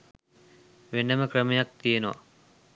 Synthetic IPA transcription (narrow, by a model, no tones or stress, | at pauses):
ʋenːəməkrəmejak̚t̪ijenoʋa̰